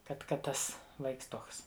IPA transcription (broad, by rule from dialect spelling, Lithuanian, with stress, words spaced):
ˈkɐt ˈkɐt ˈtɐs ˈʋɐɪks ˈtuɔks